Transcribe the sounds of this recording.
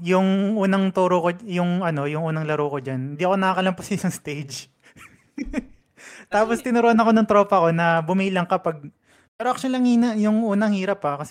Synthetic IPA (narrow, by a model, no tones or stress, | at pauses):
jʊŋʔuːnɐŋt̪uːɾokojʊŋɐno̞jʊŋʔuːnɐŋlɐɾoːkod͡ʒanhɪnd̪iʔɐko̞nɐakɐlɐmpʊsɐɪsɐŋst̪ejd͡ʒ | t̪aːpost̪ɪnʊɾoʔɐnɐko̞nɐŋt̪ɾo̞ːpɐko̞nɐbʊmiːlɐŋkɐpɐɡ̚ | pɛːɾoʔɐkt͡ʃʊliɐŋhiːnɐjʊŋʔuːnɐŋhiːɾɐpːakɐsɛ